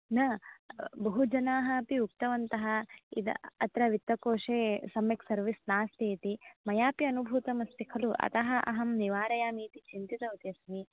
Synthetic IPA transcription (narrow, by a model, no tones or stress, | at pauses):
nɐ | bɐɦud͡ʒɐnaːɦɐɐpiuk̚t̪ɐʋɐnt̪ɐɦɐ̆ḭd̪ɐt̪ɾɐʋit̪ːɐkoːʂeːsɐmjɐksɐɾʋisnaːst̪eːt̪imɐjaːpiɐnubʱuːt̪ɐmɐst̪ikʰɐluʔɐ̰t̪ɐɦɐʔɐ̰ɦɐmniʋaːɾɐjaːmiːt̪it͡ʃint̪it̪ɐut̪eɐsɐmi